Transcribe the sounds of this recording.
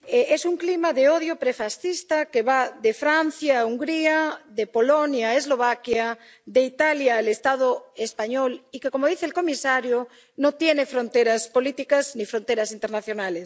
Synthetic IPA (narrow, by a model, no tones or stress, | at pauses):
eʔesuŋklimaðeoðjopɾefasθist̪akeβaðefɾan̟θjauŋɡɾiaðepolonjaezlo̞β̞akja | d̪eit̪aljalest̪aðoespaɲolikekomoðiθelko̞misaɾjo | not̪jenefɾõnt̪eɾaspolit̪ikaznifɾont̪eɾasint̪e̞ɾnaθjonales